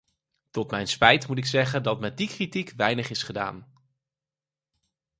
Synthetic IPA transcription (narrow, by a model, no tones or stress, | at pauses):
tɔtmɛjnspɛjtmutɪksɛχəndɑtmɛt̚dikritikʋɛjnəχɪsχəda̰ːn